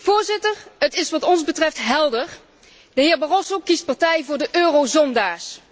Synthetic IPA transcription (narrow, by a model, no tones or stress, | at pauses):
v̥ʊːɹzɪtəɹɦətɪsʋɑtɔnzbətrɛftɦɛlˠdəɹ | dəɦɪːɹbarɔsowkist̚paɹtɛjvʊːɹdəʔøːrowzɔndaːɹs